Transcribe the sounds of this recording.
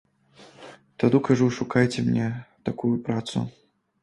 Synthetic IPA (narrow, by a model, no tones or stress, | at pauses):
t̪ad̪ukaʐuʂukajt͡sʲɛmnʲɛt̪akujupɾat̪sṵ